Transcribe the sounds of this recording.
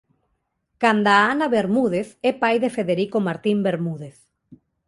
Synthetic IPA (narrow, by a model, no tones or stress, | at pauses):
kand̪aanaβeɾmuðeθepajðefeðeɾikomaɾt̪imbeɾmuð̞eθ